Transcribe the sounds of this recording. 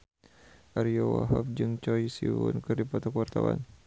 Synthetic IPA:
ʔaɾiɔwaɦaf̚d͡ʒɨŋt͡ʃɔjsiwṵnkɨrdipɔt̪akuart̪awa̰n

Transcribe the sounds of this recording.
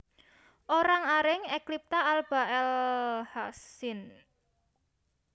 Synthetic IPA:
ʔoɾaŋaɾɪŋɛklip̚t̪aalb̥a̤ʔɛlhasɪn

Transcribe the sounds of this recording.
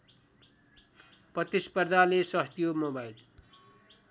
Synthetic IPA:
prʌt̪ispʌrd̪ʱalesʌst̪ijomobajl

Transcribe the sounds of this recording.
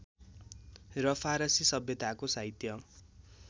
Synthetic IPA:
rʌpʰaɾʌsisʌbjʌt̪akosait̪jʌ

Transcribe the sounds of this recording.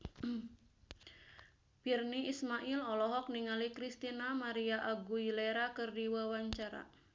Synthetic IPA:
b̥irniismaʔilɔlɔɦɔk̚niŋalikɾist̪inamaɾiaʔaɡuileɾakɨrdiwawaɲt͡ʃaɾa̰

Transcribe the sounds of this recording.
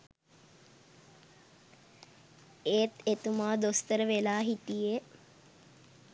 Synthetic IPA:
eːt̪et̪umaːd̪ost̪əɾəʋelaːɦit̪ije

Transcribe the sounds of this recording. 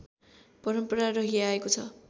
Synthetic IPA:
pʌɾʌmpʌɾarʌɦiaekot͡sʰʌ

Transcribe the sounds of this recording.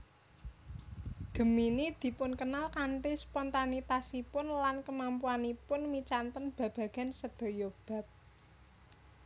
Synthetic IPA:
ɡ̥ə̤minid̪̥i̤pʊnkənalkaɳʈispɔnt̪anit̪asipʊnlankəmampuanipʊnmit͡ʃant̪ənb̥ä̤b̥ä̤ɡ̥a̤nsəd̪̥o̤job̥ä̤p̚

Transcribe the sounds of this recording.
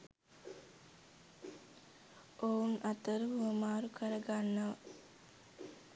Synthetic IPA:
ounʔat̪əɾəɦuəmaːɾukəɾəɡanːəʋə̰

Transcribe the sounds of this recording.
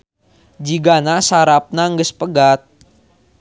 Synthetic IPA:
d͡ʒiɡanasaɾap̚naŋɡəspəɡat̪̚

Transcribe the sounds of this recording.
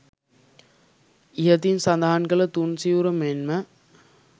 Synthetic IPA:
ɪɦɐt̪insɐnd̪aːnɡɐɭɐt̪unsijuɾɐmeːnmɐ

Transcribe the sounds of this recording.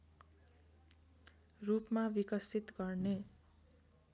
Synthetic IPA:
rupmabikʌsit̪ɡʌrne

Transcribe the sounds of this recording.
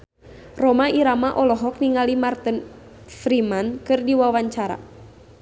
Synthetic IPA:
rɔmaiɾamaʔɔlɔɦɔk̚niŋalimart̪ənfɾimankɨrdiwawaɲt͡ʃaɾa̰

